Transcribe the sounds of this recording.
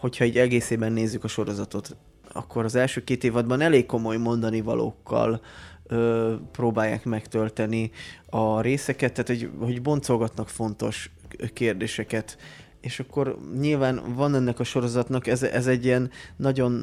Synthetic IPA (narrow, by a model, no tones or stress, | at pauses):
ho̞chɒiːɟɛɡeːseːbɛnːeːzːykɒʃo̞ɾo̞zɒt̪o̞t̪ | ɒ̰kːo̞ɾɒzɛlʃøːkeːt̪eːvɒd̪̚bɒnɛleːkkːo̞mo̞jmo̞nd̪ɒnivɒ̰lʔo̰ːkːɒ̰l | øproːbaːjːa̰ːkmɛkt̪ø̞lt̪ɛniɒɾeːsɛkɛt̪ːaːt̪hoɟho̞ɟbo̞nt̪so̞lɡɒt̪nɒkfo̞nt̪o̞ʃkeːrd̪eːʃɛkɛt̪ | eːʃɒkːo̞rɲilvaːnvɒnɛnːɛkɒʃo̞ɾo̞zɒt̪nɒkɛzɛzɛɟːiɛnːɒɟo̞n